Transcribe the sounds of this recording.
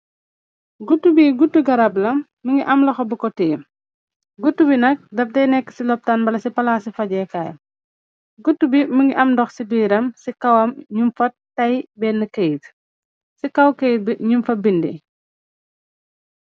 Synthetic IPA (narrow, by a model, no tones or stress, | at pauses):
ɡutːubiɡutːuɡɐɾablɐmːəŋɡiʔɐmlɐxɔbukɔtijm | ɡutːubinɐk̚dɐfdɛjnɛkːə̥silɔp̚taːnbɐlɐsipɐlaːsifɐɟɛːkaːjɐ̰m | ɡutːubiməŋɡiʔɐmdɔxsibiːɾɐmsikɐwɐmɲumfɐttːɐjbɛːnːɐkɐjt | sikɐwkejt̚biɲumfɐbindḭ